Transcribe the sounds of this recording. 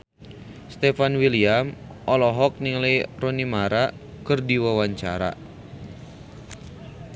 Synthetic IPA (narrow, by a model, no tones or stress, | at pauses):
st̪ɛfanwiliam | ʔɔlɔɦɔk̚niŋlejrɔnimaɾa | kɨrdiwawaɲt͡ʃa̰ɾa̰